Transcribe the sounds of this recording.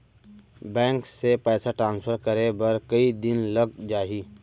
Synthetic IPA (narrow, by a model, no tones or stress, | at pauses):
bɛ̃ːŋksepɛːsaʈɾãːnspʰəɾkəɾebəɾkəid̪ɪnləɡd͡ʒaːɦiː